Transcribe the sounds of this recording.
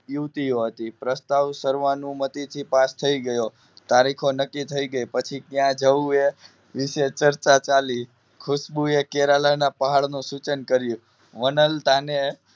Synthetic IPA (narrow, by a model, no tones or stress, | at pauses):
juʋt̪ioɦət̪ipɾəst̪aʋsəɾʋanũmət̪it̪ʰipast̪ʰəiɡəjo | t̪aɾikʰonəkːit̪ʰəiɡəjpət͡ʃʰikjãd͡ʒəue | ʋɪʃet͡ʃəɾt͡ʃat͡ʃali | kʰʊʃbuekeɾalanapəɦaɭnũsut͡ʃənkəɾjũ | ʋənəlt̪ane